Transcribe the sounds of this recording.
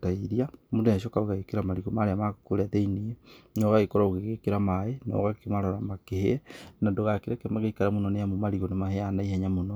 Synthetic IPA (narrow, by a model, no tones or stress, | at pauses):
taiɾiamondeaʃ̬ɔkaɾoɣaɣekeɾamaɾiɣomaɾeamakoɾaðeiniɛnɔɣaɣekɔɾaoɣeɣekeɾamaenɔ̰ɣakemaɾɔɾamakehenadoɣakiɾakemaɣeikaɾamonɔnejamomaɾiɣonemaheanaiɦɛɲamonɔ